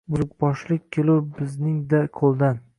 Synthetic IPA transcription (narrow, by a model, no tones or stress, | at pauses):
bʊzʊkbɒʃlɪkʲkʲʰːelɪwbɪznɪŋd̪aqʰolˠd̪an